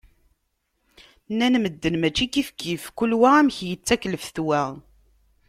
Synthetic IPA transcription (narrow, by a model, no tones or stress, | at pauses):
nːænməd̪ːənmæt͡ʃːikifkifkulwææmçjət͡sːækləfθwæ